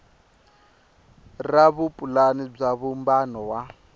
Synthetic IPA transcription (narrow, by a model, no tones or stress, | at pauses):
raβupʼulanib͡ʐaβumbanɔwa